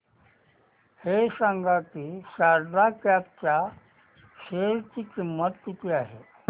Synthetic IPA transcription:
hesãŋɡakisaɾd̪ʱakap̚t͡ɕa | ɕeɾt͡ɕikimːət̪t̪ut̪iaɦḛ

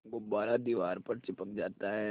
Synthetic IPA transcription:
ɡobaːɾad̪iːʋaːɾpɐɾt͡ʃɪpək̚d͡ʒaːt̪aɦɛ

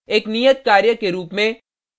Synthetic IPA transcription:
eːknijət̪̚kaːɾjəkeɾuːpmẽ

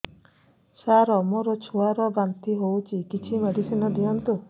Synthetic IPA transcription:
saɾɔmɔɾɔt͡ʃʰuaɾɔbant̪iɦowt͡ʃʰikit͡ʃʰimeɖʱisinɔd̪ijɔnt̪u

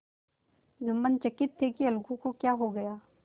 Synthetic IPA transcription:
zʊmːənt͡ʃɐkɪt̪ʰːekiɐlɡũkokjaːɦoɡɐjaː

